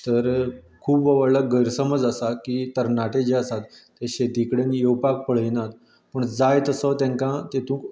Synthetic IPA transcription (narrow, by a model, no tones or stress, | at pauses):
t̪əɾ | kʰuːpʋəʋəɽlaɡəjɾsəməd͡zəsakit̪əɾnaʈed͡ʑeasat̪ː | eɕet̪ikɽenjewpak̚pəɭ̤əjnat̪ | pəɳd͡zajt̪əsɔt̪ãŋkãt̪et̪ũːk